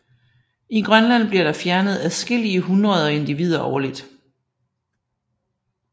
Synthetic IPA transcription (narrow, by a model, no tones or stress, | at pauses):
iɡ̥ʁɶnlæn̰b̥liɐɾ̥ɑ̈fjæɐnəð̞ˠæsɡ̥el̰iəɦunʁɐð̞ˠɒe̝nd̥iʋið̞̰ˠɐʔɒːlid̥